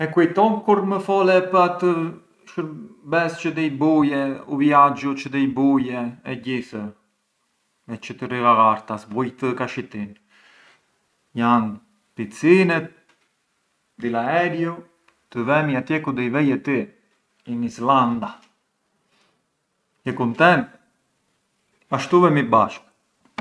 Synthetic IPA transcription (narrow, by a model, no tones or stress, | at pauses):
ɛkuit̪ɔnkuɾməfɔlɛpəat̪ə | ʃəɾbɛst͡ʃəd̪ɛjbujɛuvjad͡ʒut͡ʃəd̪əjbujɛɛɟiθə | ɛt͡ʃət̪əriɣaɣaɾt̪asbujt̪əkaʃit̪in | jan | pit͡sinɛt̪̚ | d̪ilaɛɾju | t̪əvɛmiat̪jɛkund̪ɛjvɛjɛt̪i | inisland̪a | jəkunt̪ɛnt̪̚ | aʃt̪uvɛmibaʃk